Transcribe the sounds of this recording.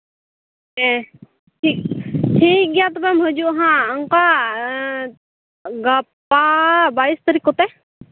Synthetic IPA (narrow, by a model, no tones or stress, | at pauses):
ɦẽ | ʈʰiːk̚ʈʰiːk̚ɡjat̪obẽməd͡ʒuɦãəŋka | ɡɐpabaːist̪əɾikot̪e